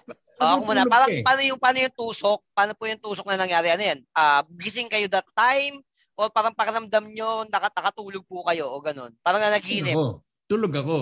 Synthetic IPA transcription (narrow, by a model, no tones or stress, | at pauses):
oomuːnɐpaːɾɐŋpaːnojʊŋpaːnojʊŋt̪uːsok̚paːnopujʊŋt̪uːsok̚nɐnɐŋjaːɾɪʔɐnojanʔaːɡɪsɪŋkɐjod̪ɐt̪ːajm | ʔopaːɾɐŋpɐkɪɾɐmd̪ɐmɲonɐkɐnɐkɐt̪uːloɡ̚pukɐjo̞ʔoɡɐno̞̰npaːɾɐŋnɐnɐɡikɪnɪ | t̪uloɡɐko